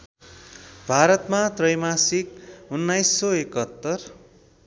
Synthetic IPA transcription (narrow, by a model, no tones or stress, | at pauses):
bʱaɾʌt̪mat̪rʌjmasik̚unːajsːʌekʌt̪ːʌr